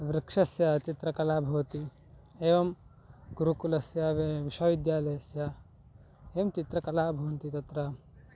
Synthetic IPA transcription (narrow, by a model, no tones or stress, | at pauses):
ʋɾikʂɐsjɐt͡ʃit̪ɾɐkɐlaːbʱɐʋɐt̪i | eːʋɐm | ɡuɾukulɐsjɐʋiʃɐʋid̪jaːlɐjɐsjɐ | eːmt͡ʃit̪ɾɐkɐlaːbʱɐʋɐnt̪it̪ɐt̪ɾɐ